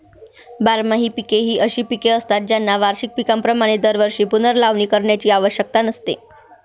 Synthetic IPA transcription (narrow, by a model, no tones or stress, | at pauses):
baɾmaɦiːpikeɦiːʔəɕiːpikeəst̪at̪̚d͡ʑjanːaʋaɾɕik̚pikampɾəmaɽ̃ed̪əɾʋəɾʂiːpunəɾlaʋɳiːkəɾɳjat͡ɕiːaʋəɕjək̚t̪anəst̪ḛ